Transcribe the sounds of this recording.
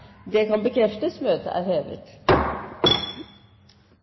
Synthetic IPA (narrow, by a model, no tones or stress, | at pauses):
d̪ɛkʰɑnbəkʰɾɛft̪əsmøːt̪ə̰ʔæ̰ːɾheːʋə̰t̪